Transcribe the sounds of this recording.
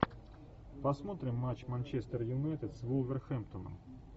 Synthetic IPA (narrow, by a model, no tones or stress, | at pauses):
pɐsmot̪ɾʲɪmːat͡ɕmanʲt͡ɕest̪ərjʊnajt̪ʲɪt̪svulˠvʲɪrxɛmpt̪onə̰m